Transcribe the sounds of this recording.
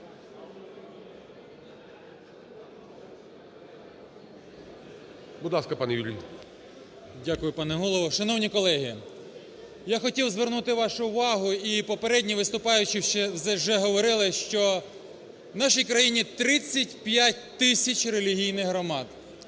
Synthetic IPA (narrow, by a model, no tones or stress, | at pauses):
bʊd̪lˠɑskɐpɑnɛʋʲilʲinʲ | dʲakʊjʊpɑnɛɦɔlˠɔʋɔʃɐnɔwnʲikɔlˠɛɦɪ | jaxɔtʲiwzʋernut̪ɪʋɑʃʊʊʋɑɦʊipɔpeɾɛdʲnʲiʋɪst̪ʊpɑjʊt͡ʃɪʃɛwzɛwʒɛɦɔʋɔɾɪlˠɪʃt͡ʃɔ | nɑʃijkɾɐjinʲit̪ɾɪt͡sʲːɐtʲpʲjatʲt̪ɪsʲɐt͡ʃrelʲiɦʲijnɪxɦɾɔmɑd̪